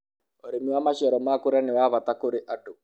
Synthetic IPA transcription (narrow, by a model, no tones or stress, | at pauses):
ɔɾemiwamaɕiɔɾɔmakoɾɛnewaβat̪akoɾeʔaʈo